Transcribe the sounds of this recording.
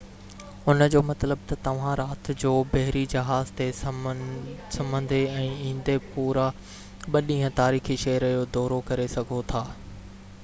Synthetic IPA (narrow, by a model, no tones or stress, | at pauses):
ʊnəd͡ʑoːmɐt̪ləb̚t̪ɐt̪ɐʋ̤ãɾaːt̪d͡ʑoːbɐɦɾid͡ʑɐɦaːzt̪e | sɐmə̃nd̪ʱeɛ̃ːĩːn̆d̪epuːɾa | ɓɐɗĩːɦə̃t̪aːɾiːxiʃɐɦəɾd͡ʑoːd̪ɔːɾokɐɾesɐɡʱot̪ʰaː